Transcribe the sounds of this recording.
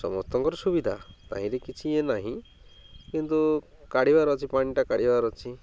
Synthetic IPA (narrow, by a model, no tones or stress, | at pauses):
sɔmɔst̪ɔŋkɔɾɔsubid̪ʱa̰t̪a̰ɦĩɾekit͡ʃʰienaɦĩ | kint̪u | kaɽ̤ibaɾɔt͡ʃʰipaɽ̃iʈakaɽ̤ibaɾɔt͡ʃʰi